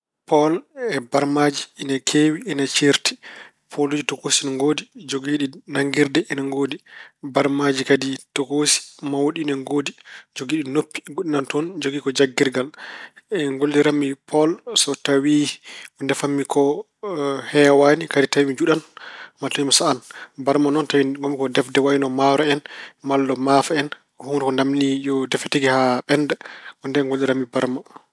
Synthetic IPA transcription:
pɔlɛbaɾmad͡ʒiːnakʰewiːnat͡ʃiɾti̥ | pʰolod͡ʒitokosinaŋɡoːdid͡ʒoɡiːɗinaŋɡiɾdɛinaŋɡoːdibaɾmad͡ʒikaditokosi̥mawoɗinɛŋɡoːdid͡ʒoɡiːɗinopːi̥ɡoɗinantɔnd͡ʒoɡikɔd͡ʒaɡːiɾɡalɛŋɡoldiɾamːipʰɔlsɔtawiɔndɛfamːikʰɔ | hɛwanikaditawimid͡ʒuɗanmatawimasaanbaɾmanɔntawimamːikɔdɛfdɛwajinɔmaɾɔɛnmalːɔmafaɛn | humɾukɔndamnijɔdɛfetiɡihaɓɛndɛɔndɛŋɡoldiɾamːibaɾma

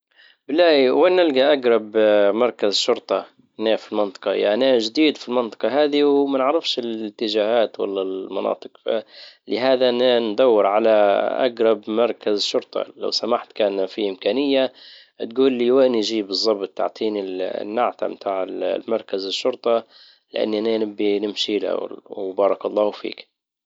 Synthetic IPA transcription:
blaːwenːɪlɡaʔaɡɾˤɑbmɑɾˤkazʃʊɾˤt̪ˤɑ | naːfilmɪnt̪ˤɨ̥qɑja̰ʕnaʒd̪iːd̪filmɪnt̪ˤɨ̥qɑɦaːðiwmanɪʕɾɪfʃɪlɪt̪ːɪʒaːhaːt̪wa̰lːalmɑnɑ̰ːt̪ˤɨ̥qfa̰lɪɦaːðannd̪ˤɑwːɪɾʕalaʔa̰ɡɾˤɑbmɑɾˤkazɪʃːʊɾt̪ˤɑ̰la̰wsamaħt̪kaːnfiʔɪmkaːnɪjːa | t̪ɡuːlːiːwaʔniʒiːbɨzˤːɑbt̪̚ˤːa̰ʕt̪ˤiːnḭnːaʕt̪a̰mt̪ʰaːʕɪllmɑɾˤkazɪʃːʊɾˤt̪ˤɑ | lɪʔa̰nːiʔananɪbːinɪmʃiːla̰wbɑːɾˤɑkɑlˤːɑːfḭːk

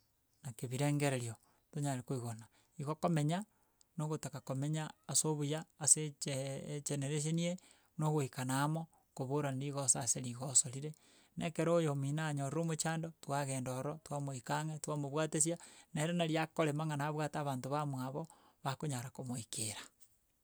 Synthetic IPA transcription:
nakeβiɾeːŋɡeɾeɾjo | toɲaɾekoiɣona | iɣokomeɲa | noɣotakakomeɲaːsoβujaːset͡ʃet͡ʃeneɾeʃ̬enie | noɣoikanaːmo | koβoɾanɾiɣosaseliɣosoɾiɾe | nekeɾojominaɲoɾɾomot͡ʃaːndotwaɣendoɾɔtwamoikaŋetwamoβwaːtes̬janeeɾenaɾjakoɾemaŋanaːβwataβaːntoβamwaβɔ | βakoɲaɾakomoikeɾḁ

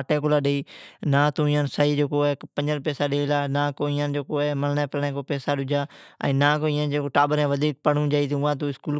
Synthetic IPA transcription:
ʈeːk̬ʊlaːɗeiːnãːt̪ũːɪ̃ːãːnsaːiːd͡ʒeːkoːɛːpəɲd͡ʒənpɛːsaːɗeːlaːnãːkoːɪːãːnd͡ʒeːkoːɛːməlnẽːpəlnẽːk̬oːpɛːsaːɗʊd͡ʒaːɛ̰̃ːnãːkoːĩːãːd͡ʒeːkoːʈaːbəɾɛ̃ːʋəd̪ʱiːk̚pəɽũːd͡ʒaːiːt̪ːʊ̃ãːt̪̬ũːɪskuːl

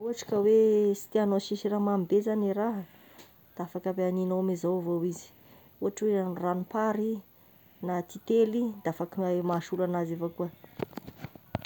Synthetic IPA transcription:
uɦaʈ͡ʂkəwesi̥t̪ianoʃiʃiramambezaniɾaɦ | d̪̥afakabeaninoamizawvowizi̥ | uɦaʈ͡ʂwenranupaɾi | nat̪it̪elid̪̥afakiamaʃulanazefakuə

